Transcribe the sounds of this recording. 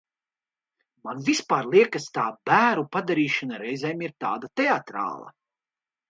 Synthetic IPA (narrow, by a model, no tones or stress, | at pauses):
manvʲispaːɾlˠiɛkast̪aːbæːɾupad̪aɾiːʃanaɾɛjzɛjmiɾt̪aːd̪at̪ɛat̪ɾa̰ːlˠa̰